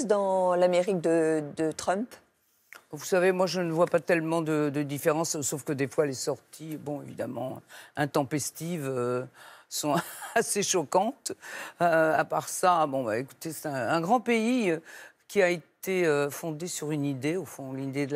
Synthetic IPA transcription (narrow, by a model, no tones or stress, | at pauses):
d̪ɑ̃lameʁik̚d̪əd̪ət̪χœ̃mp | vusavemwaʒənəvwapat̪ɛlmɑ̃d̪əd̪əd̪ifeʁɑ̃sːofkəd̪efwalesɔʁt̪ʰibɔ̃evid̪amɑ̰̃ɛ̃t̪ɑ̃pɛst̪ivø | sɔ̃aseʃɔkɑ̃t̪øapaʁsabɔ̃ba̰eku̥t̪esɛ̥t̪ɛ̃ɛ̃ɡʁɑ̃peiøkʲiaet̪eøfɔ̃d̪esyʁynid̪eofɔ̃lid̪ed̪ə